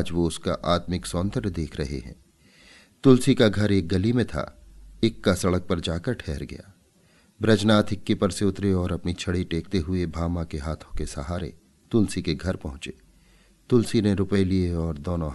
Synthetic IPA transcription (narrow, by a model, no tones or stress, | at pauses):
d͡ʒʋoʊska̰ʔaːt̪mɪksɔːnd̪əɾd̪eːkʰɾɐɦḛɦɛ̰̃ː | t̪ʊlsikaɡʱɐɾeːk̚ɡɐlimẽt̪ʰa̰eːkːasɐɽək̚pɐɾd͡ʒaːkəɾʈʰɛːɾɡɐ̰ja̰ː | bɾɐd͡ʒnaːt̪ʰɪkːepɐɾseʊt̪ɾeɔːɾɐpnit͡ʃʰɐɽiʈeːk̚t̪eɦʊebʱaːmakeɦaːt̪ʰõkesɐɦaːɾḛ | t̪ʊlsikeɡʱɐɾpɐɦʊ̃t͡ʃeː | t̪ʊlsineɾʊpəelieɔːɾd̪oːnoɦ